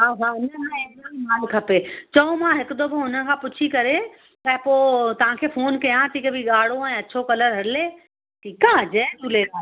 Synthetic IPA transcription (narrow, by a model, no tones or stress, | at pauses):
ɦãɦãɪnəɦãẽːɡaimaːlkʰɐpet͡ɕɐõmãɦɪkʊd̪oboɦʊnə̆kʰãːpʊt͡ɕʰikɐɾe | t̪ɐpoːt̪ɐʋ̤ãkʰeːfoːnkɐjãt̪ʰiːkbʱiɠaːɽ̤oɛ̃ːɐt͡ɕʰokɐləɾɦɐɽɪleː | ʈʰiːkaːd͡ʑɛːt̪uːlet̪ʰa